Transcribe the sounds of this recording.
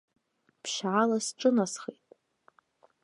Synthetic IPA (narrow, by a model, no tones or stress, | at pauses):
pʰʃʕalasʈ͡ʂʼɨnasχetʼ